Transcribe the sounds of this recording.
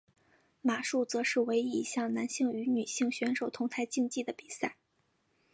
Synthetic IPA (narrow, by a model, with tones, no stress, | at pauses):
ma˨˩ʂu˥˩t͡sɤ˧˥ʂɻ̩˥˩we˧˥ɪi˧˥ḭ˧˩ɕjɑ˥˩ŋna˧˥nɕi˥˩ŋy˧˥ny˨˩ɕi˥˩ŋɕɥɛ˧˥nʂo˨˩ʊt̪ʰʊ˧˥ŋt̪ʰa˧˥ɪt͡ɕi˥˧ŋt͡ɕi˥˩d̪ə˩pi˨˩sa˥˩ɪ